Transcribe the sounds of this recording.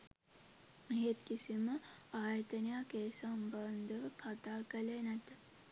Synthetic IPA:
eɦet̪kisiməaːjət̪ənəjakeːsamband̪əʋəkʰat̪aːkəlenæt̪ə

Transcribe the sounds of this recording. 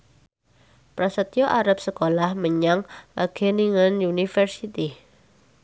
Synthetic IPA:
pɾasət̪joʔaɾap̚səkolahməɲaŋkaɡ̥ɛniŋanjunifərsit̪i

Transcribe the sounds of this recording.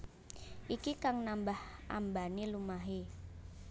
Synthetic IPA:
ʔikikaŋnambahʔa̰mbanilumaɦe

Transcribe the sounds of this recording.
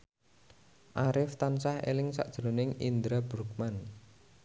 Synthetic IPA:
ʔaɾɪft̪ansahḛlɪŋsa̰ʔd̥ʒ̥ɾonɪŋind̪ɾabɾuk̚man

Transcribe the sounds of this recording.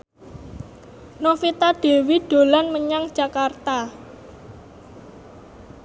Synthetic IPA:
nofit̪aɖ̥e̤wiɖ̥o̤lanməɲaŋd̥ʒ̥a̤kart̪a

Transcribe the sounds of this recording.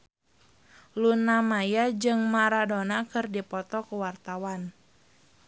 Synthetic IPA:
lunamajad͡ʒɨŋmaɾadonakɨrdipɔt̪ɔkuwart̪awan

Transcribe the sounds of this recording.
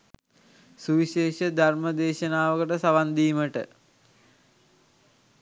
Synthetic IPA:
suʋiɕeːʃəd̪ʱarməd̪eːʃənaːʋəkəʈəsaʋand̪iːməʈə̰

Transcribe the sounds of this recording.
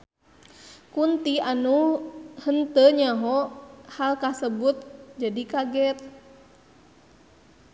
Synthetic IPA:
kunt̪ianuhənt̪əɲaɦɔhalkasəbut̪̚d͡ʒadikaɡɛt̪̚

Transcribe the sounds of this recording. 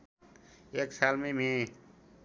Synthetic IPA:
eːksaːlmẽmẽ

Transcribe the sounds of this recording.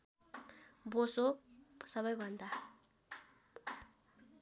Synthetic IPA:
bososʌβʌjbʱʌnd̪a

